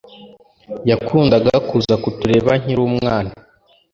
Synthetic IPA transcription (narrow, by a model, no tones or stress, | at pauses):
jakuːndaɡakuzakutuɾe̞ːβaŋ̥iɾuːmŋaːna